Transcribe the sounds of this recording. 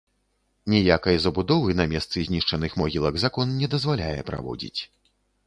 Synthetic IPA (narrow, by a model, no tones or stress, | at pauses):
nʲɛjakɐjzɐbud̪ɔvɨnɐmʲɛst̪sɨzʲnʲiʂt͡ʂɐnɨxmɔɣʲilˠɐɡzakɔnnʲɛd̪ɐzvalʲajɛ̰pɾa̰vɔ̰d͡zʲḭt͡sʲ